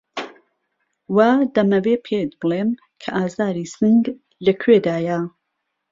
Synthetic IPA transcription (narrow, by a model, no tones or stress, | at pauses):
waːd̪ɐmɐwepʰet̪̚bɨlem | kʰɐʔaːzaːɾiːsɨŋɡ | lɐkʰweːd̪aːja